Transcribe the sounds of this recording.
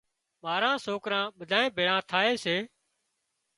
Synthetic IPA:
maːɾãːsoːkɾãːɓəd̪ʱaːẽːbʱeːɭãːt̪ʰaːeːseː

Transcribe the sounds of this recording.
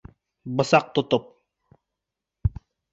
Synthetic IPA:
bɨsɑq̚t̪ʊt̪ʊp̚

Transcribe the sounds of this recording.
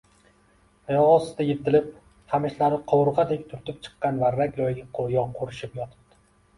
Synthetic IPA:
jɒʁɒsɪ̥d̪ajet̪ʰɪlɪp̚ | hamɪʃlaɾɪqʰowʊɾʁɑd̪ekʲt̪ʰʊɾt̪ʰɪp̚t͡ʃʰɨ̥qːɑnvaɾakʲlˠɒjɡʲaqʰojɒqʰoɾɪʃɪpjɒt̪ʰɪ̥p̚d̪̥ɪ̥

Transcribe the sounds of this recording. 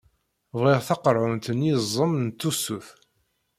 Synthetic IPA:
vʁɪʁθɑqəɾˤʕʊnt̪ənizˤːəmnt̪ːusuθ

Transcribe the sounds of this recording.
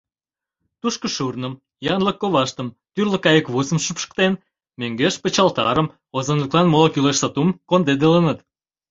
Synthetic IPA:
t̪uʃkə̆ʃurnəm | jɑnləkːoβɑʃt̪əm | t̪yrlə̆kɑjəkβusəmʃypʃə̥kt̪en | møŋɡeʃpə̆t͡ɕɑlt̪ɑ̰ɾəm | ozənləklɑnmolɑkyleʃsɑt̪umkond̪ed̪elənət̪

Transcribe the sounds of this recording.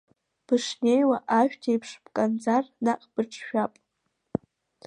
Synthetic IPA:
b̥ɨʂnejwaʔaʃᶣtʰejpʰʂbkʼand͡zarnaqʼb̥ɨʈ͡ʂʰʼʃᶣapʼ

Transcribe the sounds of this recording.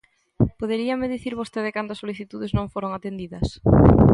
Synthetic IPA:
poðeɾiɐmeðiθiɾβost̪eðɪkand̪oɐsoliθit̪uðeznõŋfoɾoŋat̪end̪iðɐs

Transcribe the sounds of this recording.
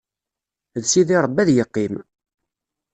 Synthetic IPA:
ðsiðiɾˤəbːæðjəqːim

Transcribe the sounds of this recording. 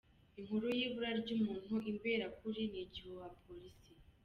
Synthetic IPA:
iŋhuɾujiːβuɾaɾɟumuːn̥huʔimbeɾakuɾiniɟiβowapʰoɾisi

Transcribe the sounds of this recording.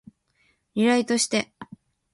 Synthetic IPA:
ɾʲiɾait̪o̞ɕi̥t̪e̞

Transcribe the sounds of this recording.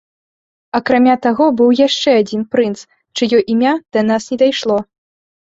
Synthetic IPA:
ɐkɾamʲat̪aɣɔbɨwjaʂt͡ʂɛad͡zʲinpɾɨnt̪s | t͡ʂɨjɔʔimʲad̪̥ɐnasnʲɛd̪ajʂlˠɔ

